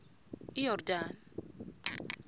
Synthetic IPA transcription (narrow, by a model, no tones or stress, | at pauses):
ijɔrdan